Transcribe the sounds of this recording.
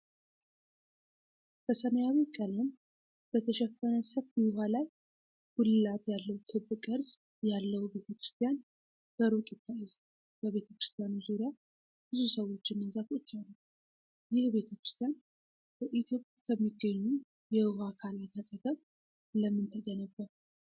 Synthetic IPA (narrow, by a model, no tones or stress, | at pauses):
b̥əsəməjawikʼələm | b̥ət̪ʰəʃɛfːənəsəfbihalaj | ɡ̥ulɨlat̪jalːəwt̪ʰɨbːɨkʼɨɾsʼ | jalːəwube̞t̪ʰəkɾɨ̥st̪ʰijan | b̥əɾuk̪ʼɪt̪ʰːajːɪz | bəβe̞t̪ʰəkɾɨ̥st̪ʰijanuzuɾija | b̥ɨzusəwo̞t͡ʃːɪnːəzafot͡ʃːalːəw | jɪhbe̞t̪ʰəkɾɨst̪ʰijan | b̥əʔit̪ʰjo̞pʼjakʰəmːiɡːəɲːu | jɛhakʰaljɛt̪ʰət̪ʼəɡ̪ʼəm | ləmːɨnt̪ʰəɡənəbːə